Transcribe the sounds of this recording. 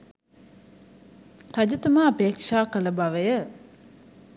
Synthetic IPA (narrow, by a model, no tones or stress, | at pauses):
tɐd͡ʑət̪əmaːɐpeːkʃaːkələbaʋəjə